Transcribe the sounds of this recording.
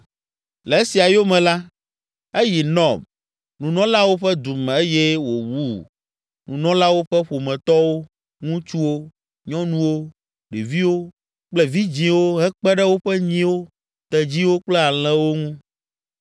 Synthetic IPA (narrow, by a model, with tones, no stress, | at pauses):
lɛ˨e˦si˨a˨jo˦mɛ̃˨la˦ | e˦ji˨nɔ̃˨b | nũ˨nɔ̃˦la˦wo˦ɸɛ˦d̪u˨mɛ̃˨e˦je˦wo˨wu˦˨ | nũ˨nɔ̃˦la˦wo˦ɸɛ˦ɸo˨mɛ̃˨t̪ɔ˦wo˦ | ŋũ˦t͡ʃu˦wo˦ | ɲɔ̃˦nũ˦wo˦ | ɖe˨vi˦wo˦ | k͡plɛ˦vi˦d͡ʑĩ˨wo˦ɦɛ˦k͡pɛ˦ɖɛ˦wo˦ɸɛ˦ɲĩ˦wo˦ | t̪ɛ˨d͡ʑi˦wo˦k͡plɛ˦a˨l̃ɛ̃˦wo˦ŋũ˦